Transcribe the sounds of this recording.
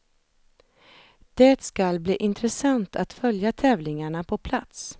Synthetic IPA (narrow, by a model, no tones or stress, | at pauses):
d̪̥eːt̪skalbliːʔɪnt̪ɾɛsant̪ʰat̪fœljat̪ʰɛːvlɪŋaɳapʰɔpʰlat̪s